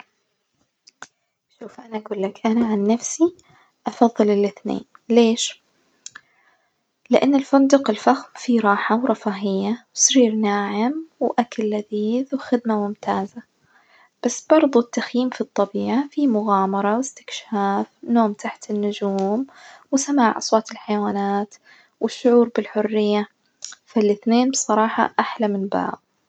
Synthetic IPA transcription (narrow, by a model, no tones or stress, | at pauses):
ʃuːfʔanaʔaɡuːlːakʔanaʕanːafsi | ʔɑfɑðˤːɨlɪlʔɪθnḛːnleːʃ | lɪʔanːɪlfɑnd̪ʊqɪlfaxmfiɾˤɑːħawɾˤɑfaːɦɪjːawsɪɾiːɾnaːʕɪmwʔakalːaðiːðwxɪd̪mamʊmt̪ʰaːza | b̥asːb̥ɑɾˤðˤut̪ːaxjiːmfit̪ˤːɑbiːʕafimʊɣaːmɑɾˤɑwɪst̪ɪ̥kʃaːfnoːmt̪ʰaħt̪ɪnːʊd͡ʒuːmwɪsamaːʕʔɑ̰sˤwɑːt̪ɪlħajawaːnaːt̪ | wɪʃːʊʕuːɾbɪlħʊrːɪjːa | falɪθneːnbsˤɑɾˤɑːħɑ̰ʔaħlamɪnbɑ̰ʕð